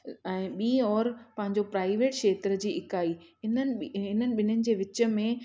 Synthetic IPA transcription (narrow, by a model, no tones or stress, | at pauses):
ɛ̃ːɓĩːɔːɾpɐ̃ɦɪ̃ɲd͡ʑopɾaːɪʋeːʈʃeːt̪ɾəd͡ʑiːʔɪkaːiːɦɪnənɪ̆ɦɪnənɪ̆ɓɪnənɪ̆d͡ʑeːʋɪt͡ɕə̆mẽ